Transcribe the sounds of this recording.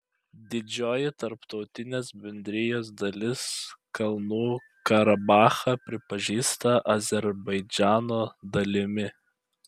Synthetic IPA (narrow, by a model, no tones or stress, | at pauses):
d̪ʲɪd͡ʒʲoːjɪt̪ɐɾpt̪ɒʊt̪ʲɪnʲeːsbʲɛnʲd̪ʲɾʲɪjoːs̬d̪ɐlʲɪskɐlˠnuː | kɐɾɐbɑːxɐpʲɾʲɪpɐʒʲiːst̪ɐʔɐzʲɛɾbɐɪd͡ʒʲæːnoːd̪ɐlʲɪmʲɪ